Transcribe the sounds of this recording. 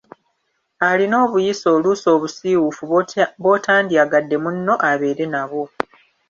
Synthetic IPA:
alino̞ːβujiso̞ːluso̞ːβusiːwufuβo̞tʰaːndiaɡadːe̞munːo̞ʔaβe̞ːɾe̞naβo̞

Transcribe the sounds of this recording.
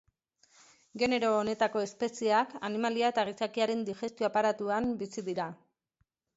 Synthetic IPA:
ɡe̞ne̞ɾo̞ːne̞t̪ako̞e̞spe̞siakanimaliaet̪arisakiaɾe̞nd̪ixe̞st̪io̞apaɾat̪uambisiðiɾa

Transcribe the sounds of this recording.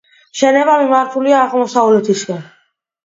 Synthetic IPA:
ʃɛnɛbamimaɾt̪ʰuliaːʁmɔsaulɛt̪ʰiskɛn

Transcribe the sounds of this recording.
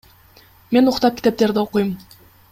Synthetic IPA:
me̞nuqt̪ɑp̚kʲi̥t̪e̞p̚t̪e̞ɾd̪ɪoqujum

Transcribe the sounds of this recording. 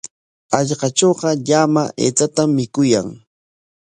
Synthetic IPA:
ɑʎɢɑt͡ʃoːɢɑʎamaʔḛːt͡sat̪amːɪkʊjaŋ

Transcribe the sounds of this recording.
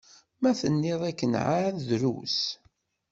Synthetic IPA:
mæθənːɪðˤækːənʕaðɾṵs

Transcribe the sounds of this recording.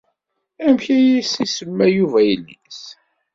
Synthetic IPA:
æmçæjisisəmːæjuvæjəlːis

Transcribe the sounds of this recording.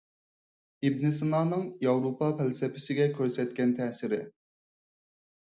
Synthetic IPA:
ib̚nɪs̬ɨnɑːnɨŋjɑwɾopʰɑpʰælsɛpʰɪ̥sɪɡʲɛkʲʰøɾsɛt̪̚kʲɛnt̪ʰɛsɪɾɪ

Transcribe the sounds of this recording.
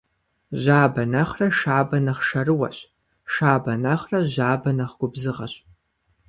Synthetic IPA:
ʑaːbɐnɐχrɐʂaːbɐnɐχʂɐrɨwɐ̰ɕʼ | ʂaːbɐnɐχrɐʑaːbɐnɐχɡʷʊbzɨʁɐ̰ɕʼ

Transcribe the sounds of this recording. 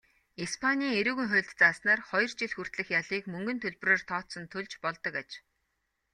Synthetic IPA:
ispʰanʲiːŋeɾuːɣɘ̆ŋχʊ̟ːɮt̪t͡saːsnaːrχɔjɞ̆rt͡ɕiɮxur̥t̪ɮɘ̆xjaɮiːkmɵŋɡɵ̆nt̪ʰɵɮproːrt̪ʰɔːt̪sɞ̆nt̪ʰɵɮt͡ɕpɔɮt̪ɞ̆kat͡ɕ

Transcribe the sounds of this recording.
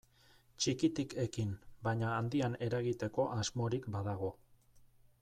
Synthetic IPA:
t͡ʃikit̪ikʰe̞kimbaɲaːnd̪iane̞ɾaɣit̪e̞ko̞ʔazmo̞ɾikbaðaɣ̞o̞

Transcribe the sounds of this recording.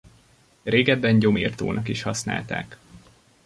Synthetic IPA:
reːɡɛbːɛnɟo̞mirt̪o̰ːnʔɒkiʃhɒsna̰ːlt̪a̰ːk

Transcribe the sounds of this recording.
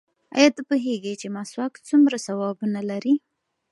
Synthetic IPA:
ɑ̰jɑt̪apuɦeɡet͡ʃemɑswɑk̪t͡sumɾasawɑbunalaɾi

